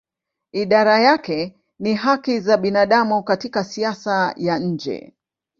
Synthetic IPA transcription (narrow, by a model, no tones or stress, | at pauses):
iɗaɾajakɛ | niɦakizaɓinaɗamukatikasiasajaɲ̩d͡ʒɛ̰